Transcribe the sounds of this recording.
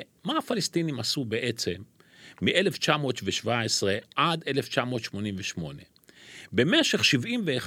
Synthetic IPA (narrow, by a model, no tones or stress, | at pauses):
maafalest̪inimasube̞ʔe̞t͡se̞mː | iʔe̞le̞ft͡ʃamo̞ːt̪veʃvaesʁeʔad̪e̞left͡ʃamo̞t̪ʃmo̞nimveʃmo̞ne | be̞meʃe̞χʃivʔimveːχ